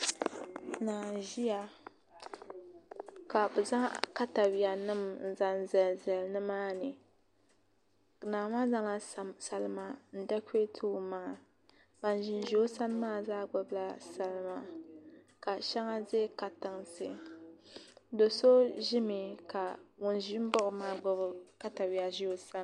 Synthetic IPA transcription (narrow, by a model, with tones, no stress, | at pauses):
naː˨ʒi˦ja˨ | ka˨bɨ˨za˦ka˦ta˨wi˨a˨nɨ˦mn̩˨za˦n˦zɛ˨lzɛ˨lnɨ˦maː˦nɨ˨ | naː˨ma˦za˦ŋa˦˨sa˨lɨ˦ma˨n̩˨da˦kʷe˦tʰu˦ma˨ŋa˨ | ba˨n˨ʒi˨nʒi˦o˦sa˦n˦maː˦˨zaː˦ɡ͡bʊ˦bla˦sa˨lma˨ | ka˨ʃa˦ŋa˦ze˦ka˨tɨ˨ŋsɨ̰˨ | do˨so˦ʒi˦mi˨ka˨wʊ˨n˦ʒi˦m̩˦bɔ˦ʔʊ˨maː˦ɡ͡bʊ˦bɨ˦ka˦ta˨wi˨a˨ʒi˦o˦sa˦n˦